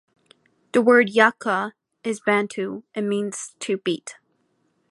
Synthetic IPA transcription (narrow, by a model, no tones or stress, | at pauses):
ðəwɜ˞djɑkʰə | ɪzbæ̃ntʰʉɨ̃nmĩnz̥tʰɨb̥it